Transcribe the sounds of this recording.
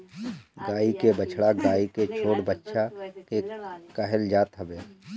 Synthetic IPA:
ɡaːikebət͡ʃʰɽaɡaːiket͡ʃʰoːɽbətːʃakekəɦəld͡ʒaːt̪ɦəbeː

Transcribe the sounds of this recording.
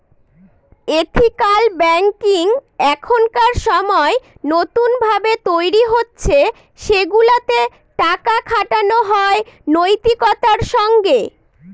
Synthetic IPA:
et̪ʰikalbɛŋkiŋɛkʰonkaɾʃɔmɔe | not̪unbʱabet̪ojɾiɦotːɕʰe | ʃeɡulat̪e | ʈakakʰaʈanoɦɔenojt̪ikɔt̪aɾʃɔŋɡe

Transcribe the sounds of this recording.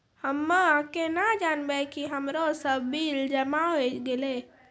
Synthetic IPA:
həmːəakenad͡ʒanbɛkiɦəmɾosəbːild͡ʒəmaɦot͡ʃɡele

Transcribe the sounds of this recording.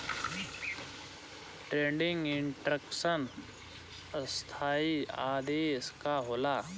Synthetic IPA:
ʈɾẽːɳɖɪŋɡɪɳʈɾəksən | əst̪ʰaːiaːd̪eːskaɦoːlaː

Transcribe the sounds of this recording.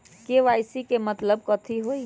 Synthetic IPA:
keʋajsikemət̪ləb̚kɔt̪ʰiɦoj

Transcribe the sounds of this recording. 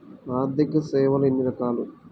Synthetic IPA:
aːɾd̪ʱikɐsɛːʋɐlɐenːiɾɐkaːlu

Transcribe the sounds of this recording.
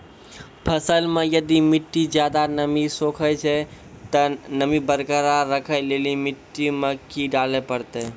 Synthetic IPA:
pʰəsəlmejəd̪imiʈːid͡ʒjad̪anəmisokʰət͡ʃʰɛ | t̪ənəmibəɾkəɾaɾəkʰəlelimɪʈːimekiɖalepəɾt̪ɛ

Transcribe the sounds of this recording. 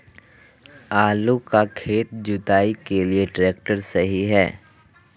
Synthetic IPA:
aːlukakʰeːt̪d͡ʒʊt̪aːikelieʈɾeːk̚ʈəɾsɐɦiɦɛː

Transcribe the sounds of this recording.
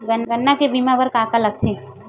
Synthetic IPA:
ɡənɡənːakebiːmãpəɾkaːkalɐɡ̚t̪ʰẽː

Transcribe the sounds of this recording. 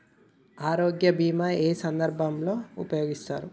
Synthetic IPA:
aːɾoːɡjɐbiːmɐeːsɐnd̪ɐɾbʱɐmloːupɐjoːɡist̪a̰ːɾu

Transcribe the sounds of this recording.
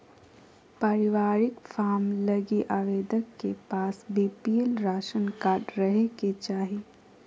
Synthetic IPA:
pəɾɪʋaːɾɪkfʰaːmlɐɡiʔaːʋeːd̪əkːepaːsbiːpielɾaːʃənkaːʈɾəɦeket͡ʃaːɦi

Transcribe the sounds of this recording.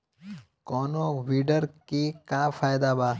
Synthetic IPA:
kɔːnoʋiɖəɾkikaːfʰaːjd̪abaː

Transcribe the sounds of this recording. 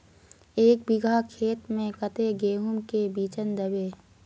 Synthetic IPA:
eːk̚bɪɡʱakʰeːt̪mẽkət̪eɡeːɦʊmkebiːt͡ʃənd̪əbeː

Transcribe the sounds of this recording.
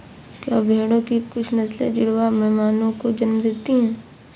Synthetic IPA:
kja̰ːbʱeːɽõkikʊt͡ʃʰnɐslḛd͡ʒɪɽwamɛɦmaːnõkod͡ʒɐnmd̪eːt̪iɦɛ̃ː

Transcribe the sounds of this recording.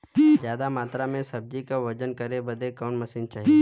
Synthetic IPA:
zjaːd̪amaːt̪ɾamẽsɐb̚d͡ʒikaʋəd͡ʒənkəɾebəd̪ʱekɔːnmɐsĩnt͡ʃaːɦe

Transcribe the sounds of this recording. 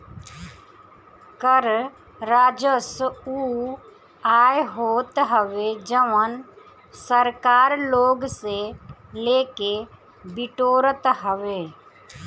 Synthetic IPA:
kəɾ | ɾaːd͡ʒəsuː | aːjɦoːt̪ɦəʋed͡ʒəʋən | səɾkaːɾloːɡseleːke | bɪʈoːɾət̪ɦəʋeː

